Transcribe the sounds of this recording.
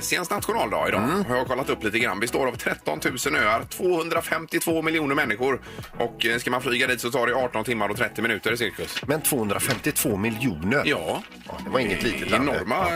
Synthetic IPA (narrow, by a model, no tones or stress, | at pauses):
sɪənsnat̪ɧʊnɑːld̪ɑ̰ːɪd̪ɑ̰ːhaɾjakʰɔlːat̪ɵpːliːt̪əɡɾa̰nbɛst̪oːɾavt̪ʰɾɛt̪ːɔnt̪ʰʉ̟ːsənøːaɾt̪ʰv̥oːhɵnd̪ɾafɛmt̪ɪt̪ʰvoːmɪljuːnəɾmɛnːɪɧʊɾ | ʔɔkskamanflyːɡad̪iːt̪sɔt̪ʰɑːɖɛɑːʈɔnt̪ʰɪmːaɾɔt̪ʰɾɛt̪ːɪmɪnʉ̟ːt̪əɾɪs̬ɪɾkɵsmɛnt̪ʰv̥oːɵnd̪ɾafɛmt̪ɪt̪ʰv̥oːmɪljuːnəɾjɑː | d̪ɛvaɾɪŋːəliːt̪əlɛnɔɾma